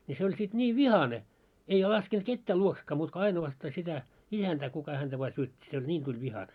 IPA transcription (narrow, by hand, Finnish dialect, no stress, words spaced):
ni se olʲ sit nʲiːʋ ʋihɑne ei lɑskent ketːæː luoksekːɑː muːt ko ɑinowɑstɑ sitæ isæntæː kukɑ hæntæ ʋɑː syøtʲːi se olʲ nʲiːn tulʲ ʋihɑne